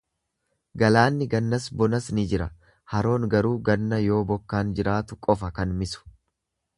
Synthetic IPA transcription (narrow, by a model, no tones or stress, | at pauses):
ɡɐlaːnːɪɡɐnːɐsbɔnɐsnɪd͡ʒɪɾɐ | hɐɾo̞ːŋɡɐɾuːɡɐnːɐjo̞ːbɔkːaːnd͡ʒɪɾaːt̪ʊkʼɔfɐkɐnmɪsʊ̥